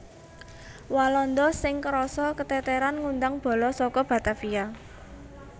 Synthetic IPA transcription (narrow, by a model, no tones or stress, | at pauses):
walɔnd̪ɔsɪŋkəɾɔsɔkət̪ɛt̪ɛɾanŋund̪aŋb̥ɔ̤lɔsɔkɔb̥ä̤t̪afia